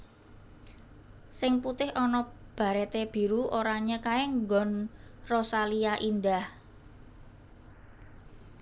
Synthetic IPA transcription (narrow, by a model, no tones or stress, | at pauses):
sɪŋput̪ɪhɔnɔb̥a̤ɾɛt̪eb̥i̤ɾuʔoɾaɲəkaeŋɡɔnrɔsaliaʔindah